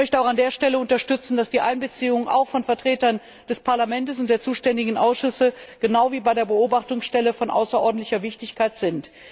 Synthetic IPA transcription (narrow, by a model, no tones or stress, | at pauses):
mœçtəaʊandeːɐʃtɛləʊntɐʃtʏt͡sn̩dasd̥iːʔaɪnbət͡siːʊŋənʔa̰ʊxfɔnfɛɐtʁ̥eːtɐn | d̥ɛspʰaɐlamɛntəs̬ʊnt̚d̥eːɐt͡suːʃtɛndɪɡŋ̩ʔaʊsʃʏsəɡ̥ənaʊviːbaɪdeːɐbəoːbaχtʊŋsʃtɛləfɔnʔa̰ʊsɐʔɔɐdn̩tlɪçɐvɪçtɪçkʰaɪtz̥ɪnt